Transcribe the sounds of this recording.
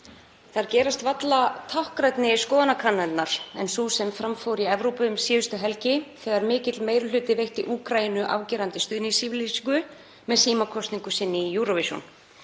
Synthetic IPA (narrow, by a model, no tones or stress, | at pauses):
θaɾcɛːɾast̪vat̪lat̪ʰawhkɾajt̪nɪskɔːðanakʰanːanaɾ̥ɛnsusɛmfɾamfoːwɾiɛvɾowpʏmsjiːvʏst̪ʏɦɛlcɪθɛːɣaɾmɪːcɪt̪lmeːjɾʏlʏːt̪ɪvejht̪iʔuːkɾajinʏʔa̰ːwcɛːɾant̪ɪst̪ʏːðnɪisiːvlisiŋkʏ | mɛðsiːmakʰɔst̪niŋkʏsɪnːɪjuɾɔvɪsjṵn